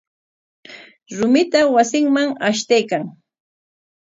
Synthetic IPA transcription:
ɾʊmɪt̪awasɪŋmaŋaʃt̪ajkaŋ

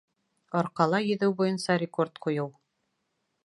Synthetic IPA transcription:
ɒɾqɑlˠɑjɵ̆ðɘwbujɤ̆nsɑɾʲɪko̞ɾt̪qujɤw

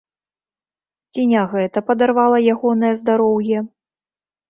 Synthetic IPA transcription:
t͡sʲinʲaɣɛt̪ɐpɐd̪arvalˠɐjaɣɔnɐjɐzd̪aɾɔwjɛ

